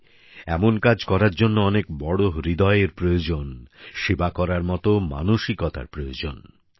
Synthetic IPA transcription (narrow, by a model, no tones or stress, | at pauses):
ɛmonkad͡ʑkɔɾaɾd͡ʑonːoɔnek̚bɔɽoɦɾid̪ɔeeɾpɾojod͡ʑonʃebakɔɾaɾmɔt̪oma̰noʃikɔt̪a̰ɾpɾojod͡ʑon